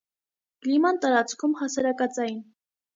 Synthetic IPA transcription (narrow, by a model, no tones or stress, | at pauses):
ɡlimɑnt̪ɑɾɑt͡skʰumhɑsɑɾɑkɑt͡sɑjin